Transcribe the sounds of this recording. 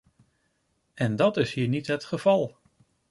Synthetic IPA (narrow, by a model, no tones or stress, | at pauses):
ɛndɑtɪshiːɹnitɦətχəv̥ɑlˠ